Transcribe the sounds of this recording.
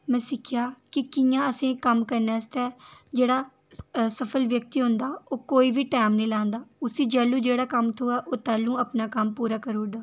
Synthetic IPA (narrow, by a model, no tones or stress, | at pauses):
mɛ̃ːsɪkʰɪjaːkɪkɪjãːəsẽːkəmkəɾnaːst̪ɛːd͡ʒeːɽaː | səpʰəlʋjək̚t̪iːɦʊ̃nd̪aːoːkoːiːʋiːʈaːmnəĩːlãːnd̪aːʊsĩːd͡ʒɛːlːũːd͡ʒeːɽaːkəmt̪ʰoːaːʔoːt̪ɛːlːũːəpnaːkəmpuːɾaːkəɾuːd̪aː